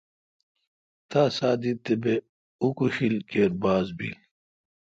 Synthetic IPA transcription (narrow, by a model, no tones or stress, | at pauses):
t̪aːsaːd̪it̪ebe | ukuɕilkeːɾbaːzbḭl